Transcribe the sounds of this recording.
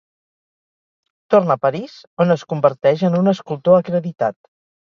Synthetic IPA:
t̪ornəpəɾizonəskumbəɾt̪ɛʒənunəskulˠt̪oəkɾəðit̪at̪

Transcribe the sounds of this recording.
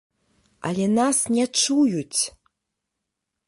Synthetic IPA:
a̰lʲɛnasnʲɛt͡ʂujut͡sʲ

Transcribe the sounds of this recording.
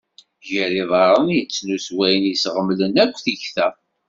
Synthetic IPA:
ʝəɾiðˤɑɾˤənjət͡sːnuswæjənjəsʁəmlənækʷːθiçθæ

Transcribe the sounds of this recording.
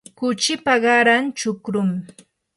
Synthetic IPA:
kʊt͡ʃɪpaɢɑɾant͡ʃʊkɾʊm

